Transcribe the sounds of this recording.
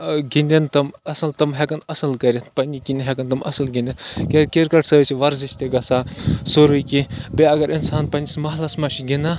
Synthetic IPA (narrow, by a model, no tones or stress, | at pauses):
ɡinʲd̪ʲent̪ɐmɐsɐlt̪ɐmɦʲekɐnɐsɐlkɐɾʲet̪pɐnʲikinʲɦekɐnt̪ɐmɐ̰sɐlɡʲinʲd̪ʲenkekʲeɾkɐʈsɐsiʋɐɾziʃʲt̪eɡɐsasoɾujkibeɐɡɐɾinsaːnpɐnʲismɐɦlɐsmɐʃiɡʲinɐ